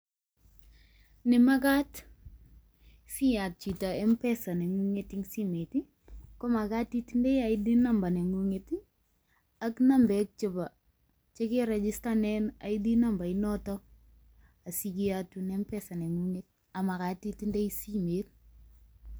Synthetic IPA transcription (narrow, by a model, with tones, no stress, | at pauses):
nɪ˨ma˦k̬a˦t | fi˦ja˨t̚t͡ʃi˨ta˨ɛ˦mpɛsa˨nɛ˨ŋu˦ŋeti˦ŋsi˦me˨ti | kɔ˦ma˨ka˦tːi˦ti˦ndɛ˦ja˨ɪdi˦namba˨nɛ˨ŋu˦ŋeti˦ | a˦kna˦mbɛk̚t͡ʃɪ˨ba˨ | t͡ʃe˦keɾɛd͡ʒi˦stanɛna̰˨jdi˦na˦mba˨ɪnɔtɔ | a˨sikiatunɛmpɛsa˨nɛ˨ŋu˦ŋet̚ | a˨ma˨kati˦tindɛ˦isimet